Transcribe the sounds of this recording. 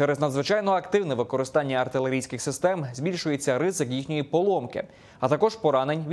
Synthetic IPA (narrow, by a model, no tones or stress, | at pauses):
t͡ʃɛɾɛznɐd̪zʋɪt͡ʃɑjnɔɐkt̪ɪwnɛʋɪkɔɾɪst̪ɑnʲːɐɐrt̪ɪlˠeɾʲijsʲkɪxsɪst̪ɛmzʲbʲilʲʃʊjet͡sʲːɐɾɪzɪkjixnʲɔjipɔlˠɔmkɪ̰ | ɐt̪ɐkɔʒpɔɾɑnenʲʋʲ